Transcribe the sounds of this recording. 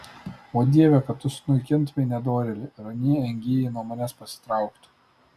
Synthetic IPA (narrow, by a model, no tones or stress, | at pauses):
oːd̪ʲiɛʋʲɛkɐt̪t̪ːʊsnʊɪkʲɪnt̪ʋʲɛɪnʲɛd̪oːɾʲelʲɪɾɐnʲiɛɛŋʲɡʲiːjɛɪnuɔmɐnʲɛspɐsʲɪ̥t̪ɾɑˑʊkt̪ʲ